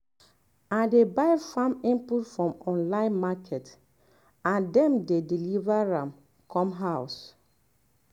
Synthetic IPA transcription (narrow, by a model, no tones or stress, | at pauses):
adebaɪfãmĩmputfɹɔ̃mɔ̃nlãɪ̃nmakʰɛt | ãndɛ̃mdedilivaɹãm | kʰɔ̃mɦaʊs